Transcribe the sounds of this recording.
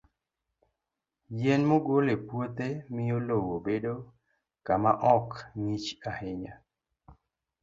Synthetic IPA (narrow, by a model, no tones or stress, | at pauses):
jɛnmoɡolepwot̪emɪolowobedo | kamaʔɔkŋit͡ʃahɪɲa